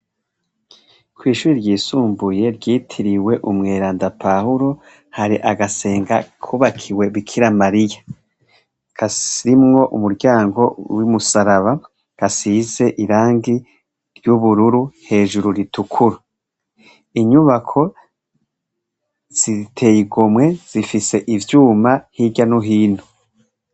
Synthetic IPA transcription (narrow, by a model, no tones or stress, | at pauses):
kwiːʃuːɾiɾɟiːsuːmbuje̞ɾɟiːtʰiɾiwe̞ʔumŋe̞ːɾaːndapahuɾo | haɾiʔaɡase̞ːŋɡakʰuːβakʰiwe̞βikʰiɾamaɾija | ɡ̥aiɾimŋo̞ʔumuɾɟaːŋɡo̞wimusaɾaβa | ɡ̥asiːze̞ʔiɾaːŋɡi | ɾjuβuɾuɾuhe̞ːʒuɾuɾitukʰuɾa | iɲuβakʰo̞ | z̥itʰe̞jiɡomŋe̞z̥ifise̞ʔivjuːmahiɟanoɦiːn̥hu